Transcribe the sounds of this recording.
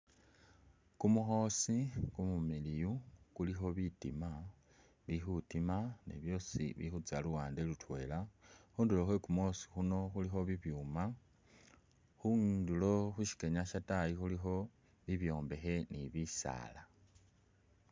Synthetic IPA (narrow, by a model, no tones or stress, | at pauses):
kumuxo̞sikumumilijukulixo̞βitima | βixutimanḛβjo̞sḭβḭxut͡saluwaːndelutwe̞ːlaxuːndilo̞xwekumuosi̥xuno̞xulixo̞βiβjuːma | xundilo̞xuʃi̥ke̞ɲaʃatajixulixo̞ | βiβjo̞ːmbe̞xe̞niβisa̰ːla